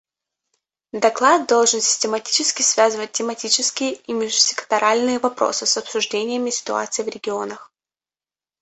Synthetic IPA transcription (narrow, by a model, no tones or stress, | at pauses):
d̪ɐklˠad̪̚d̪o̞lˠʐɨnsʲɪ̥sʲtʲɪmɐtʲi̥t͡ɕɪskʲɪsvʲazɨvət̚ʲtʲɪmɐtʲit͡ɕɪskʲɪjəimʲɪʐʊsʲɪ̥kə̥t̪ɐɾalʲnɨjəvɐpɾo̰sɨsɐpsʊʐdʲenʲɪjəmʲɪsʲɪ̥t̪ʊa̰t̪sɨjvɾʲɪɡʲɪo̞nəx